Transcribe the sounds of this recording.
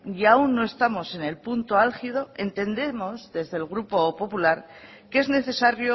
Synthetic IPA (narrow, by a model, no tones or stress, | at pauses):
jaunːo̞e̞st̪amo̞se̞ne̞lpunt̪o̞alxið̞o̞e̞nt̪e̞nd̪e̞mo̞zðe̞zðe̞lɣ̞ɾupo̞po̞pulaɾ | ke̞zne̞θe̞saɾjo̞